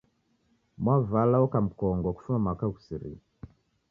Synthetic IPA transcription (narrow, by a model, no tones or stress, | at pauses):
mwavalawɔkam̩kɔŋɡɔku̥fumamakaku̥siɾḭ